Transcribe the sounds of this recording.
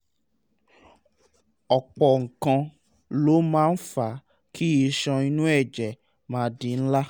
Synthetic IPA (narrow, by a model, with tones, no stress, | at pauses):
ɔ˨k͡pɔ˨ŋ̩˨kã˧ | lo˨˦mãː˦n̩˦fa˨ | kʰi˦i˧ʃɔ̃˧i˧nũ˦ɛ˦˨d͡ʒɛ˨ | mãː˨˦di˧n̩˦la˦